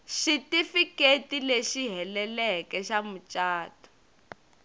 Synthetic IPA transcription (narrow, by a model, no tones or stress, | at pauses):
ʃitifiketileʃiɦɛlɛlɛkɛʃamut͡ʃʼaːtɔ̥